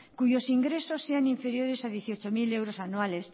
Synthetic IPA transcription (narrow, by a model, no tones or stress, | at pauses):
kuʝo̞siŋɡɾe̞so̞sːe̞aniɱfe̞ɾjo̞ɾe̞saðje̞θio̞t͡ʃo̞mile̞wɾosanuale̞s